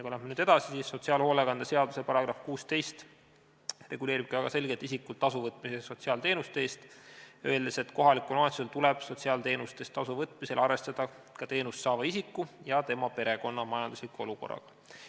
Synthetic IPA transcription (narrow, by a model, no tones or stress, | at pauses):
ɑkujlæhmenyːd̪̥ɑsisisːo̞t̪siɑːlho̞ːlekɑnd̪ese̞ɑd̪̥use̞pɑɾɑɡ̥rɑfkuːst̪e̞jst̪ | re̞ɡule̞ːɾib̥̚kɑæɡ̥ɑse̞lʲɡe̞t̪isikːˑult̪ːɑsuvɤt̪ːˑmiseso̞t̪siɑːlt̪eːnust̪e̞ːst̪øeld̪ese̞t̪ko̞ɦɑlikːˑulnoːt̪suelt̪ulɛb̥so̞t̪ʲsiɑːlt̪e̞ːnust̪e̞st̪ːɑsuvɤt̪ːˑmise̞lʔɑrve̞st̪ɑd̪̥ɑ | kɑt̪e̞ːnust̪sɑːvɑisikːˑujɑt̪e̞mɑpe̞ɾe̞ko̞nːɑmɑjɑnd̪uslikuo̞luko̞̰rːɑ̰ɡ̥ɑ̥